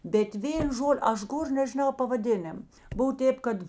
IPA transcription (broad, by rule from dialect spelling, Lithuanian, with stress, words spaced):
bʲɛt ˈʋʲeːn ˈʒoːlʲ ˈɐʃ ˈɡoːr nʲɛʒʲɪˈnɐʊ pɐʋɐˈdʲɪnʲɪm ˈbʊʋoː ˈtʲeːp ˈkɐt